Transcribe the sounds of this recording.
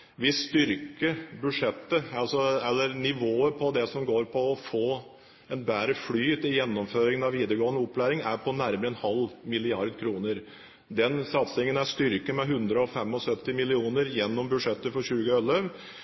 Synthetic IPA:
ʋɪst̪ʏɾkəbʉʂɛt̪ːəɑlsɔɛlːəɾnɪʋoːəpʰɔd̪ɛsɔmɡoːɾpʰɔːfoː | ɛnbæːɾəflyːt̪ɪjɛnːɔmføːɾɪŋənɑʋiːd̪əɾəɡoːənəɔpːlæːɾɪŋæɾpʰɔnæɾməɾəɛnhɑlːmɪlɪɑɾd̪kʰɾuːnəɾ | d̪ɛnsɑt̪sɪŋənæʂt̪ʏɾkəmɛɦʉnd̪ɾəɔfɛmːɔsœt̪ːɪmɪlɪuːnəɾjɛnːɔmbʉd̪ʂɛt̪ːəfɔɾɕʉːɡəœlːəʋ

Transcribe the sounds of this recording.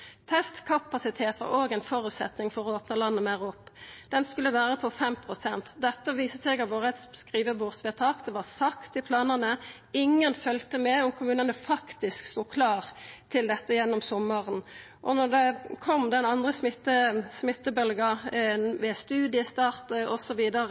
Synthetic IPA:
t̪ʰɛst̪kʰɑpɑsɪt̪ʰeːt̪ʋɑ̰ʁoːɡæɪnfɔɾʉːt̪sɛ̰t̪nɪŋfɔɾɔoːpnəlɑnːəmɛʁʊpːd̪̥ɛnskʉlːəʋæːʁəpʰɔfɛmpʰʁʊsɛnt̪d̪ɛt̪ːəʋiːsəsɛɡɑʋoːʁəɛt̪sskʁiːʋəbuːʁsʋɛːt̪ʰɑːkd̪ɛʋɑʁsɑkt̪ɪpʰlɑːnənə | ɪŋːənfœlt̪əmɛɔmkʰʊmʉːnənəfɑkt̪ɪskst̪uːkʰlɑːʁt̪ʰɪld̪ɛt̪ːəjɛnːɔmsɔmːəʁən | ʔɔnɔʁd̪ɛkʰɔmːd̪ɛnɑnd̪ʁəsmɪt̪ːəsmɪt̪ːəbœlɡəʋɛst̪ʉːd̪ɪəst̪ɑːʁt̪əɔsɔʋiːd̪əɾə

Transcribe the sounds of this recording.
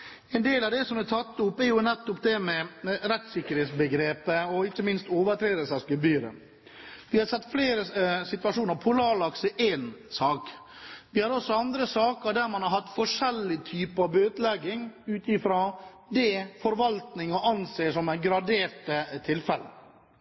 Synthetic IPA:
ɛɪnd̪eːlɑʋd̪ɛsɔmɛt̪ʰɑt̪ːʊpːæɾjʊnɛt̪ːʊpd̪ɛmɛɾɛt̪sɪkːəɾheːt̪sbəɡɾeːpəɔɪkːəmɪnst̪oːʋət̪ʰɾeːd̪əsɛskʉbyːɾə̰ | ʋɪhɑɾsɛt̪ːfleːɾəsɪt̪ʋɑʂuːnəɾpʰʊlɑːɾlɑksəʔeːnsɑːk | ʋɪhɑɾɔsːɔɑnd̪ɾəsɑːkəɾɖ̪æɾmɑnhɑɾɦɑt̪ːfɔʂɛlːɪt̪ʰyːpəɑʋøːt̪lɛɡːɪŋʉːt̪ɪfɾoː | d̪ɛfɔɾʋɑlt̪nɪŋɔʔɑnseːʂɔmæɡɾɑd̪eːɾʈət̪ʰɪlfɛlːə

